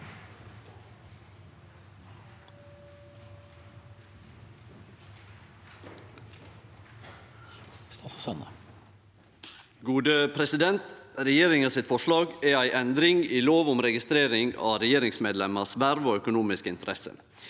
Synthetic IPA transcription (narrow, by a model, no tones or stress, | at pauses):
st̪ɑssɛnə̰ | ɡuːd̪əpʰɾɛsɪd̪ɛnt̪ɾɛjeːɾɪŋɑsɪt̪fɔʂɭɑːɡææɪʔɛnd̪ɾɪŋiːloːʋʊmɾɛɡɪst̪ɾeːɾɪŋɑ̰ːɾɛjeːɾɪŋsmeːd̪lɛməsʋæɾʋoːœkʊnuːmɪskəɪnt̪əɾɛsə̰